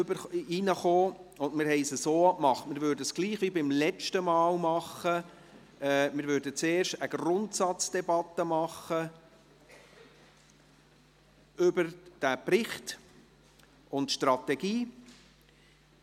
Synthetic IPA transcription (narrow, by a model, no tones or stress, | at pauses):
bəinəχoːʊndmɪɾɦɛɪsəsoːmɑχtmɪɾvøɾdəsɡ̥liːχʋibɪmlɛt͡ʃtəmɑːlmɑχə | ɛmɪɾvøɾdət͡seːɾʃtəɡ̥rʊntsɑt͡sd̥ɛbɑt̪ːəmɑχə | ʏbəɾd̥æprɪχt | ʊntʃtrɑtɛɡiː